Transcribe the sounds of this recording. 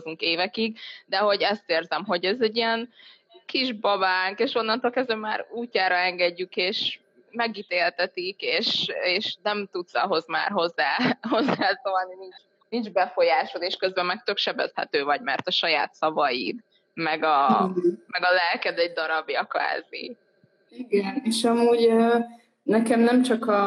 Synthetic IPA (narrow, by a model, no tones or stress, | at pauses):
zuŋkeːvɛkiɡd̪ɛɦo̞ɟɛst̪eːrzɛmɦo̞ɟɛzɛɟːijɛn | kiʒbɒbaːŋkeːʃo̞nːɒnt̪oːlkɛzd̪ɛmmaːɾuːcːaːɾɒɛŋɡɛɟːykeːʃ | mɛɡit̪eːlt̪ɛt̪ikeːʃeːʃnɛmt̪ut̪sɒɦo̞zma̰ːrɦo̞zːaːho̞zːaːsoɒlninint͡ʃ | nind͡ʒbɛfo̞jaːʃoleːʃkøzbɛmːɛk̚t̪ø̞kʃɛbɛ̰shɛ̰t̪øːvɒɟmɛrt̪ɒʃɒjaːt̪sɒvɒjḭd̪ | mɛɡɒ | mɛɡɒlɛlkɛd̪ɛɟd̪ɒɾɒbjɒkʋa̰ːzḭ | iɡɛneʃɒmuːɟø | nɛkɛmnɛmt͡ʃɒkɒ